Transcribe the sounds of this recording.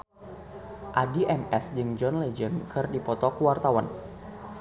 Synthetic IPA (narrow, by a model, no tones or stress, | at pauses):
ʔadiʔɛmɛsd͡ʒɨŋd͡ʒɔnlɛd͡ʒənkʰɨrdipɔt̪ɔkuwart̪awan